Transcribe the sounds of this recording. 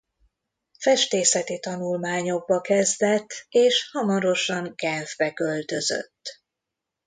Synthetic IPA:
fɛʃt̪eːsɛt̪it̪ɒnulmaːɲo̞ɡ̚bɒkɛzd̪ɛt̪ːeːʃhɒmɒɾo̞ʃɒŋkɛnvbɛkølt̪ø̞zø̰t̪ː

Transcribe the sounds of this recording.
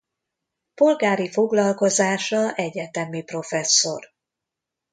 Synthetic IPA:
po̞lɡaːɾifo̞ɡlɒlko̞zaːʃɒʔɛɟɛt̪ɛmipro̞fɛsːo̞̰r

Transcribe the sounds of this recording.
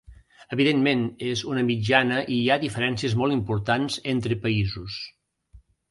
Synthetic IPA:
əβiðenmenezunəmid͡ʒanəʔiaðifəɾɛnsiəzmɔlˠimpuɾt̪anzent̪ɾəpəizus

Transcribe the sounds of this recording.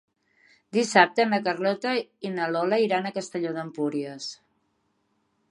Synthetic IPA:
d̪isap̚t̪ənəkərlɔt̪əinəlɔləiɾanəkəst̪əʎoðəmpuɾiəs

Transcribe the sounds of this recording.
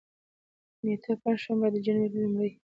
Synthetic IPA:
net̪ʰapand͡ʒʃambad̪əd͡ʒaneɾlʊmɽəj

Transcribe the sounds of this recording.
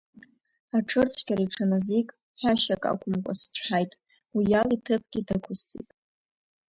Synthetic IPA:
aʈ͡ʂʰɨrt͡sʷʰɡʲaɾiʈ͡ʂʰanazikʼ | ħaʃakʼa̰kʷʰʼʊmkʷʼa̰st͡ɕʷʰħajtʼ | wijalitʰɨpʰɡ̥ʲidakʷʰʊzt͡sʼḭtʼ

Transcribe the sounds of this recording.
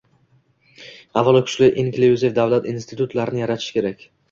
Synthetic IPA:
avːalˠɒkʰʊ̥t͡ʃlɪʔenkʲʰlejuzefd̪avlat̪inst̪ʰɪt̪ʰut̪laɾɪnɪjaɾat̪ʰɪ̥ʃkʲe̞ɾakʲ

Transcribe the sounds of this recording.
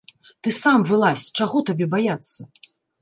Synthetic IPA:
t̪ɨsamvɨlˠasʲt͡ʂaɣɔt̪abʲɛbajat̪sːɐ

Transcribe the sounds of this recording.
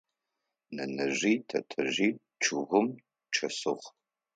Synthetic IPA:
nɐnɐʑiːtʰɐ̰tʰɐʑiː | ʈ͡ʂʰɨɣʷʊm | ʈ͡ʂʰɐsɨχ

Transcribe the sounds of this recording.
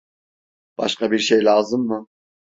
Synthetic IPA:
b̥a̰ʃkʰabiɾʃejlʲaːzɯmːɯ

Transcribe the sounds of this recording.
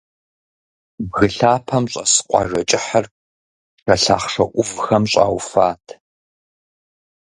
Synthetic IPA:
bɣɨɬaːpʰɐmɕʼɐsɨ̥qʷʼɑ̰ʐɐt͡ʃʼɪħɐr | ʂɐɬa̰ːχʂɐʔʷʊvxɐmɕʼa̰ːwfaːtʰ

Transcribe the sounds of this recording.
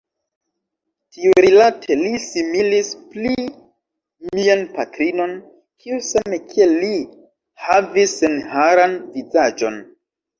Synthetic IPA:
tiuɾilatʰe̞lisimilispli | mianpatɾino̞n | kʰiusamekʰieli | havisːenhaɾanvizad͡ʒo̞̰n

